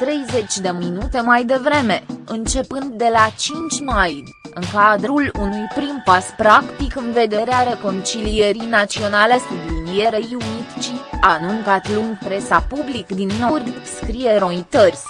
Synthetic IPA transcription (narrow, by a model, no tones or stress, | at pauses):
t̪ɾe̞jze̞t͡ʃʲd̪e̞minut̪e̞majd̪e̞vɾe̞me̞ɨnt͡ʃe̞pɨnd̪ːe̞lat͡ʃint͡ʃʲmaj | ɨŋkad̪ɾulunujpɾimpaspɾakt̪ikɨnve̞d̪e̞ɾeaɾe̞ko̞nt͡ʃilie̞ɾinat̪sio̞nale̞st̪d̪injeɾejiunit̪t͡ʃianuŋkat̪luŋɡpɾe̞sapublikd̪inːorʲskɾijeɾo̞it̪ərʲ